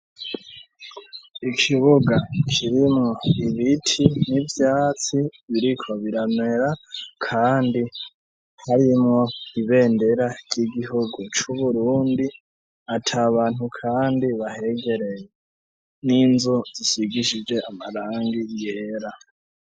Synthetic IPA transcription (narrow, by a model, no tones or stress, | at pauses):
ikʰiβuɡakʰiɾimŋo̞iβitʰinivjaːt͡siβiɾikʰo̞βiɾanwe̞ɾakʰaːndi | haɾimŋo̞iβe̞ːnde̞ɾaɾɟiɡiɦuɡut͡ʃuβuɾuːndi | atʰaβaːn̥hukʰaːndiβahe̞ɡe̞ɾe̞je | niːnzuzisiɡiʃid͡ʒwe̞amaɾaːŋɡijeɾa